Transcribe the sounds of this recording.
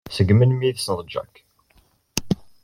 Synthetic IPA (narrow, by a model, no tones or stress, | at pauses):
səɡmənmiðsɾˤd͡ʒæ̰k